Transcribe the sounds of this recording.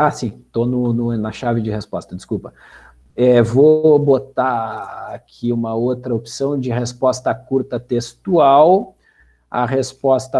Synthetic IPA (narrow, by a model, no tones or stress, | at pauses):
asĩt̪onʊnʊ̃nɐʃavɪd͡ʒɪhespɔst̪ɐd͡ʒɪskupɐ | ɛvobot̪aakʰiũmɐowt̪ɾɐopsɐ̃w̃d͡ʒɪhespɔst̪ɐkuɾt̪ɐt̪est̪uaw | ɐ̰ɦespɔst̪ɐ